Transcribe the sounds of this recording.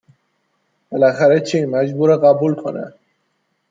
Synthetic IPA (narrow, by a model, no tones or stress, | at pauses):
b̥elæxæɾet͡ʃʰeimæd͡ʒbuːɾeɣæbuːlkʰonæ̰